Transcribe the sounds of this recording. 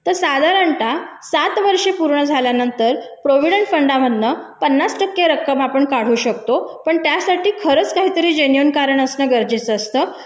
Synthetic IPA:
t̪əɾsad̪ʱaɾəɳʈa | sat̪ʋəɾʂepuɾɳəd͡zʱaljanənt̪əɾpɾoʋiɽəɳʈfəɳɖamənːəpənːasʈəkːeɾəkːəmapəɳkaɽ̤uːɕək̚t̪opəɳt̪jasaʈiːkʰəɾəːt͡skaɦiːt̪əɾiːd͡ʑenijonkaɾəɳəsnəɡəɾd͡ʑit͡sːst̪əː

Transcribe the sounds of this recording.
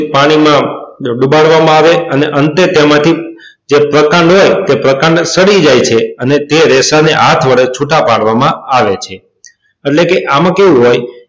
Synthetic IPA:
paɽ̃imãɖubaɭʋamãaʋeəneʔənt̪et̪emãt̪ʰi | d͡ʒepɾəkãɳɖɦojt̪epɾəkãɳɖsəɽid͡ʒajt͡ʃʰeənet̪eɾɛsaneɦat̪ʰʋəɭet͡ʃʰuʈapaɽʋamãaʋet͡ʃʰe | eʈlekeʔamãkeʋũɦoj

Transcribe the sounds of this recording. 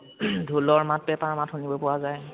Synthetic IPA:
dʱulɔɹmat̚bɛpaɹmathunibɔpʊwazaj

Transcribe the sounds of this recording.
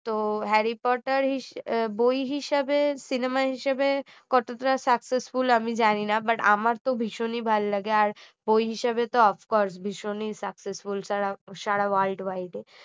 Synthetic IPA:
t̪oɦɛɾipɔʈaɾɦibojɦiʃabesinemaɦiʃabe | kɔʈot̪ɾasaksesfulamid͡ʑaninabaʈa̰maɾt̪obʱiʃonibʱalːaɡeaɾ | bojɦiʃabet̪oɔfʰkɔɾsbʱiʃonisaksesfulsaɽaʃaɽaʋalɖʋajʈe

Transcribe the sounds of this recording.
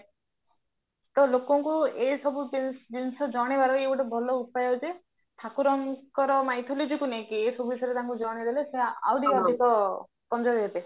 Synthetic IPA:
t̪ɔlokɔŋkuesɔbubid͡ʒinsɔd͡ʒɔɽ̃ebaɾɔeuʈɔbʱɔlɔupajɔd͡ʒe | t̪ʰakuɾɔŋkɔɾɔmajt̪ʰɔlod͡ʒikunejkiesɔbubʱisɔɾet̪aɦŋkud͡ʒɔɔɽ̃ed̪eleseaa̰wd̪ʱikawd̪ʱikɔ | pɔnd͡ʒɔbɦet̪e

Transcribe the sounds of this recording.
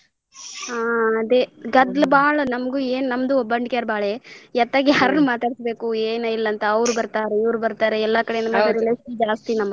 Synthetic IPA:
aːɐd̪eɡɐd̪lɐbaːɭɐnɐmɐɡuːeːnnɐmd̪uobːɐɳɖkeːɾbaːɭejɛt̪ːaːɡjaːɾɐnumaːt̪aːɽisbe̞ːkueːnɐilːɐnt̪ɐɐʋɾubɐɾt̪aːɾeiʋɾubɐɾt̪aːɾeɛlːɐkɐɽenɐmaɐɾileːsd͡ʒaːst̪inɐmːɐ

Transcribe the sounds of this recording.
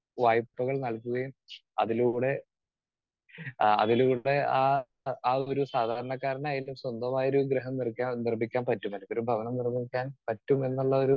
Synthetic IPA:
ʋaːjpːɐɣɐɭnɐɭkːuɣɐjum | ɐ̰ðiluːɽe̞ | ɐ̰ðiluːɽe̞aː | aːo̞ɾusaːd̪ʱaːɾɐɳɐkːaːɾɐɳaːjilumswɐnd̪ɐmaːjɐoɾuɡɾeɦɐmnirkʲːaːnirbikʲːaːnpɐtːumɐlɐkːoɾubʱɐʋɐnɐmnirmikʲːaːnpɐtːume̞nːuɭːɐo̞ɾu

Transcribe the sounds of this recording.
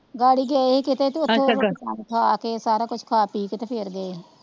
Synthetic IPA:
ɡaːɽiːɡɛːeekɪt̪eːt̪oʊt̪ːẽaːkʰaːkeːsaːɾaːkʊt͡ʃʰkʰaːpiːkt̪eːpʰɪɾɡəeː

